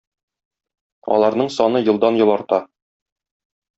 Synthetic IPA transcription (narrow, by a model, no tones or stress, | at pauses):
ɒ̰lˠɑɾnɤɴsɒnɤjɤ̆lˠd̪ɑnjɤ̆lˠɑɾt̪ɑ